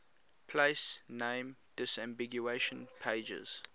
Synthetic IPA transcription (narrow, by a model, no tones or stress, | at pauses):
pʰleɪsnẽɪ̃md̥ɪsãmbiɡjueʃə̃npʰeɪd͡ʒə̰z̥